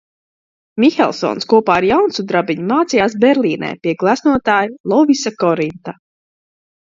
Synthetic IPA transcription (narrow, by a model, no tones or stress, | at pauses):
mʲixɛ̰lˠsɔ̰ːnskuɔpaːaɾjawnsud̪ɾabiɲumaːt̪sijaːsbɛɾlʲˠiːnɛ̰ːpʲiɛɡlˠæsnuɔt̪aːjilˠɔvisakɔɾint̪a